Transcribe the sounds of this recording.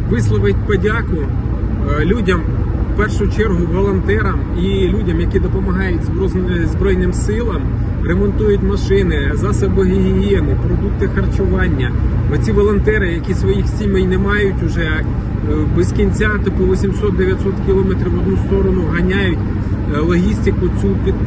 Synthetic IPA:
ʋɪslˠɔʋɪtʲpɔdʲakʊ | lʲudʲɐmwpɛrʃʊt͡ʃɛrɦʊʋɔlˠɔnt̪ɛɾɐm | ilʲudʲɐmjɐkʲid̪ɔpɔmɐɦɑjʊtʲzbzbɾɔjnɪmsɪlˠɐm | remɔnt̪ujʊtʲmɐʃɪnɪzɑsɐbɔɦʲiɦʲiɦiɛnɪpɾɔd̪uk̚t̪ɪxɐrt͡ʃʊʋɑnʲːɐɔt͡sʲiʋɔlˠɔnt̪ɛɾɪjɐkʲisʋɔjixsʲimɛjnɛmɑjʊtʲʊʒɛ | bɪsʲkʲinʲt͡sʲat̪ɔpt̪ʊʋɔsʲimsɔt̪̚d̪eʋjɐt̪ʲsɔt̪kʲilˠɔmɛt̪ɾʲiʋɔd̪nust̪ɔɾɔnʊɦɐnʲajʊtʲ | lˠɔɦʲisʲt̪ɪkʊt͡sʲupʲi

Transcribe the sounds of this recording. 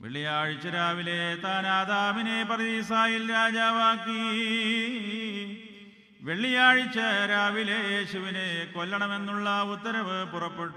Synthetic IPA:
ʋḛɭːijaːɻit͡ɕːɐɾaːʋilet̪aːnaːd̪aːminepɐrisaːjilɾaːd͡ʑaːʋaːkːi | ʋe̞ɭːijaːɻit͡ɕːɐɾaːʋilejeːɕuʋinekolːɐɳɐme̞nːuɭːɐut̪ːɐɾɐʋɨpurɐpːeʈːu

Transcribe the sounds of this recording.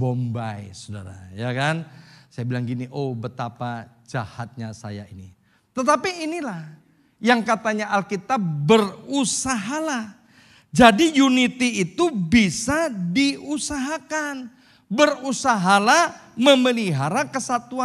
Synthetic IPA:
bombajsoda̰ɾa̰jakansajabilaŋɡiniʔobət̪apad͡ʒahat̪̚ɲasa̰ja̰ini | t̪ət̪apiːnilah | jaŋkat̪aɲaʔalkit̪ap̚bərusaɦalah | d͡ʒadijunit̪iːt̪ubisadiusaɦakan | bərusaɦalaməməliɦaɾakəsat̪uan

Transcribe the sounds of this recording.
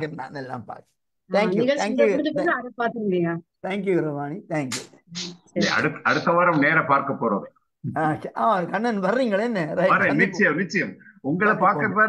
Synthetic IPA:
kɐna̰ːnɛlːa̰ːmpa̰ːɾk̪ʰ | ãːŋjɪɣɡɐɭʰãːŋjɐd̪ɯkːɐɐðɐpaːɾt̪ɯŋɡɪɽɪjaːt̪ʰaːŋk̬juɾɐʋaːnit̪ʰaːŋkju | ɐ̰ɽɯt̪ːɐɽɯt̪ːɐʋaːɾɐmneːɾɐpaːɾkɐpːoːɾo̰ːð | aʔaːmakɐɳːɐnʋɐɾːiːŋɡɐɭenːɐɾɐjɐɾɐ̃mɪt͡ʃt͡ʃːɐjɐɪmɪt͡ʃːɐjɐmʊŋɡɐɭɐpaːɾkɐpːaːɾ

